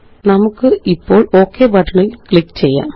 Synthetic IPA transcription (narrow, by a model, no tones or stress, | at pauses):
nɐmukːɨʔipːo̞ːɭo̞ːkːebɐʈːɐɳilkɭikːt͡ɕe̞jːa̰ː